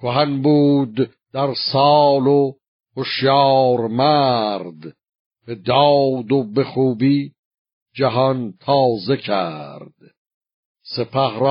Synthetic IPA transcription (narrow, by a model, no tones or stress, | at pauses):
kʰoɦænbuːd̪ | d̪æɾsɑːlo | hoʃjɑːɾmæɾd̪ | b̥ed̪ɑːd̪obe̞χuːbiː | d͡ʒæɦɒnt̪ʰɑːze̞cʰæɾd̪̥ | se̞pʰæhɾ